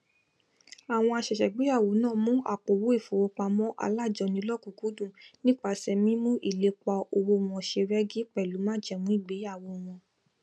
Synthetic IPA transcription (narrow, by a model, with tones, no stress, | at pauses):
a˨w̃ɔ̃˧a˧ʃɛ˨ʃɛ˨ɡ͡be˨˦a˦˨wo˨˦nãː˦˨mũ˦a˦˨k͡po˨wo˨˦i˦˨fo˨wo˧˦k͡pa˧mɔ̃˦ʔa̰˧la˦˨d͡ʒɔ˧nĩ˧˦lɔ˦˨ku˨ku˨˦dũ˦˨nĩ˦k͡pa˧˨sɛ˧mĩ˦mũ˦ʔi˦˨le˨˦k͡pa˧o˧wo˧w̃ɔ̃˧˨ʃe˧ɾɛ˦ɡi˦k͡pɛ˨lu˨˦mã˦d͡ʒɛ˦˨mũ˨˦i˦˨ɡ͡be˨˦a˦˨wo˧w̃ɔ̃˧